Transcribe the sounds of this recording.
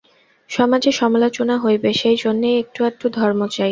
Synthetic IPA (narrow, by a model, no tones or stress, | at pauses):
ʃɔmad͡ʑeʃɔmalot͡ɕonaɦojbeʃejd͡ʑonːejek̚ʈuek̚ʈud̪ʱɔɾmot͡ɕaj